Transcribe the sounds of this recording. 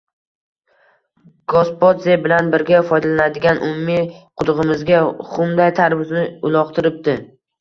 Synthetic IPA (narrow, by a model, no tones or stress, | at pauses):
ɡ̥ospot̪zebɪlanbɪɾɡʲafɒjd̪alanad̪ɪɡʲanʔʊmʊmiqʰʊd̪ʊʁɨmɪzɡʲaχʊmd̪ajt̪ʰaɾvʊznɪʊlˠɒqt̪ʰɪɾɪp̚d̪ɪ